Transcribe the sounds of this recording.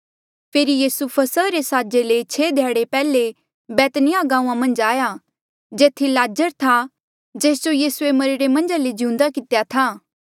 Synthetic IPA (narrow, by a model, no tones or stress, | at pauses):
pʰeːɾijiːsupʰɐsəɾesaːd͡ʒelet͡ʃʰeːd̪ʱjaːɽepɛːle | bɛːt̪nɪjaɡãːũːãmɐ̃nd͡ʒaːja | d͡ʒeːt̪ʰilaːd͡ʒəɾt̪ʰa | d͡ʒeːsd͡ʒojiːsuemɐɾɪɾemɐ̃nd͡ʒaled͡ʒɪũnd̪akɪt̪jat̪ʰaː